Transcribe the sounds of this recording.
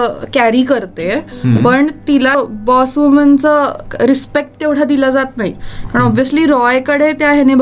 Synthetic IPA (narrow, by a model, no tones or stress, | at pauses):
kæɾiːkəɾt̪epəɳt̪ilabɔsʋumənt͡səɾispek̚ʈ̚t̪eʋʈʰad̪iləd͡zat̪naɦḭkaɳ̃ɔbʋjəsliːɾɔjkəɽet̪jaɦeneb